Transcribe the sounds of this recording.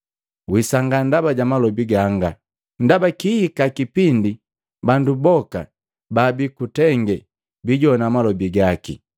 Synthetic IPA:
wisaŋɡandabaɟamalɔbiɡaŋɡa | n̩dabakihikakipindi | bandubɔka̰ | babikutɛŋɡɛ | biɟɔnamalɔbiɡakḭ

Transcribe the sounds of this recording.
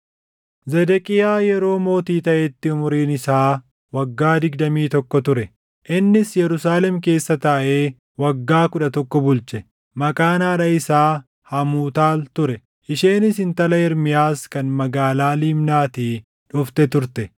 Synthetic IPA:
zɛd̪ɛkʼɪjaːjɛɾo̞ːmo̞ːt̪iːt̪ɐʔɛt̪ːɪʊmʊɾiːnɪsaː | wɐɡːaːd̪ɪɡd̪ɐmiːt̪ɔkːɔt̪ʊɾɛ | ʔɪnːɪsjɛɾʊsaːlɛmke̞ːsːɐt̪ɐʔe̞ː | wɐɡːaːkʊᶑɐt̪ɔkːɔbʊlt͡ʃɛ | mɐkʼaːnaːᶑɐɪsaː | hɐmuːt̪aːlt̪ʊɾɛ | ʔɪʃeːnɪsɪnt̪ɐlɐɪɾmɪjaːskɐnmɐɡaːlaːliːmnaːt̪iː | ᶑʊft̪ɛt̪ʊɾt̪ɛ

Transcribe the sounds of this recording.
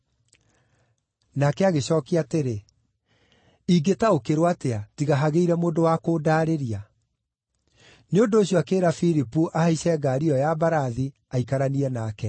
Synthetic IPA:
nakɛaɣeɕɔːkiateɾe | iɡetaokeɾwateatiɣaɦaɣeiɾɛmoːndowakoːdaːɾeɾia | neondoːɕjɔakeːɾafiɾipuʔahaiɕɛɡaːɾiɔjabaɾaði | aikaɾaniɾɛnaːkɛ

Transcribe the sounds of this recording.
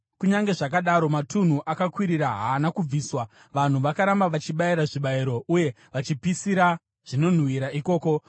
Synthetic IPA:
kuɲaŋɡe̞ʐakaɗaɾo̞matun̤uʔakakwiɾiraɦaːnakub͡viːswa | ʋan̤uʋakaɾambaʋat͡ʃiɓaiɾaʐiɓaiɾo̞ʔuje̞ | ʋat͡ʃipisiɾa | ʐ̥ino̞n̤wiɾaiko̞ːko̞

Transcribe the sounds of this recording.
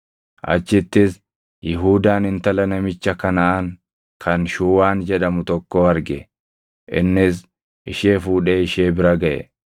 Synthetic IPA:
ʔɐ̰t͡ʃːɪt̪ːɪs | jɪɦuːd̪aːnɪnt̪ɐlɐnɐmɪt͡ʃːɐkɐnɐʔɐŋ | kʰɐnʃuːwaːnd͡ʒɛᶑɐmʊt̪ɔkːoːɐɾɡɛ | ʔɪ̰nːɪs̬ | ʔɪʃe̞ːfuːᶑeːɪʃe̞ːbɪɾɐɡɐʔɛ̰

